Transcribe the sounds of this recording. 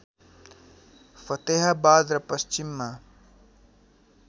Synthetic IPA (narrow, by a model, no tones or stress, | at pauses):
fɐt̪eɦabaːd̪ɾɐpɐst͡ʃimːa